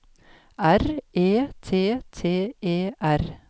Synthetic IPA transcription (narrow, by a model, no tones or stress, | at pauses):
ʔæɾʔeːt̪ʰeːt̪ʰeːeːʔæɾ